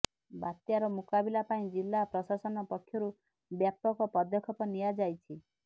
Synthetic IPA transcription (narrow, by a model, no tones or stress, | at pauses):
bat̪jaɾɔmukabilapaĩd͡ʒilːapɾɔsasɔnɔpɔkʰːjɔɾu | bjap̚t̪ɔkɔpɔd̪jɔkʰɔpɔnijad͡ʒajt͡ʃʰi